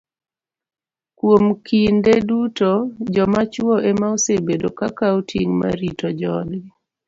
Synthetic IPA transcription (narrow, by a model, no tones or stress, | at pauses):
kwomkʰindedutod͡ʒɔmat͡ʃwɔʔemaosebedokakaotʰiŋma̰ɾitod͡ʒɔdɡɪ